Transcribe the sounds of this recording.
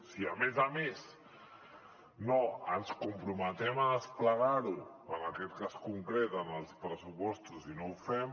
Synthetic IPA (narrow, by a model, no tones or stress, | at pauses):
siəmezames | noənskumpɾumət̪ɛməðəspləɣaɾu | ənəkɛt̪̚kaskuŋkɾɛt̪ənəlˠspɾəsupɔst̪uzinowfɛm